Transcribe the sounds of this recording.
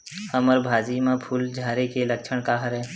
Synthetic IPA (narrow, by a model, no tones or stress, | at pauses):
həməɾbʱaːd͡ʒimãpʰuld͡ʒʱaːɾekelɐk̚t͡ʃʰəɽ̃kaɦəɾɦɛ̃ː